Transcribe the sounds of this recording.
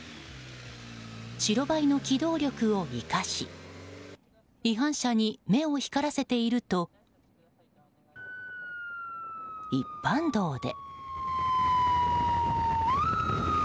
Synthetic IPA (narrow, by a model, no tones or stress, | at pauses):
ɕiɾo̞baino̞kʲid̪o̞ːɾʲo̞kɯ̟o̞ikaɕḭ | iɦãɰ̃ɕaɲ̟ime̞o̞çi̥kaɾase̞t̪e̞iɾɯ̟t̪o̞ | ipːãnd̪o̞ːd̪e̞̰